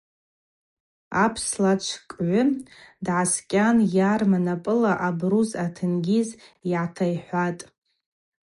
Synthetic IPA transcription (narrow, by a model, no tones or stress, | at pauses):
apʰslat͡ʃʷʰkʼʕʷʊdʕaskʲʼanjarmanapʼɨlaʔabruzatʰɨnɡʲiziʕatʰajħʷatʼ